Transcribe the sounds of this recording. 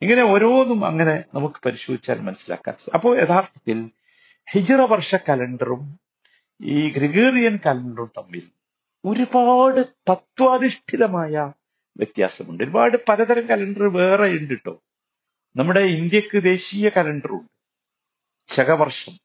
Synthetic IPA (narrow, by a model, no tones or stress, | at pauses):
iŋːɐne̞oɾo̞ːnːumɐ̰ŋːɐne̞nɐmukːɨ̥pɐɾiɕoːd̪it͡ɕːa̰ːlmɐnɐsːila̰ːkːa̰ːnsɐpːo̞ːɭe̞ðaːrt̪ʰɐ̥t̪ːil | hid͡ʑirɐbɐrʂɐkɐleɳɖɐrum | iːɡɾiɡeːrijɐnkɐlɐɳɖɐrumt̪ɐmːḭl | o̞ɾubaːɽɨt̪ɐt̪ʋaːðiʂʈʰiðɐmaːjɐ | ʋjʔet̪ja̰ːsɐmuɳɖɨoɾubaːɽɨpɐɾɐðɐɾɐŋkɐlɐɳɖɐrɨʋe̞ːreiɳɖiʈːo̞̰ː | nɐmːuɽe̞ind̪jɐkːɨd̪e̞ːɕiːjɐkɐleɳɖɐruɳɖɨ̥ | ɕɐɡɐbɐrʂɐm